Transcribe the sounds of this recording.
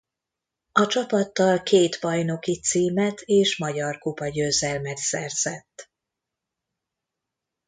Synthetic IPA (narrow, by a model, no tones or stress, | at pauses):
ɒt͡ʃɒpɒt̪ːɒlkʰeːt̪bɒjno̞kit̪siːmɛt̪ʰeːʃmɒɟɒrkupɒɟøːzɛlmɛt̪sɛrz̥ɛt̪ː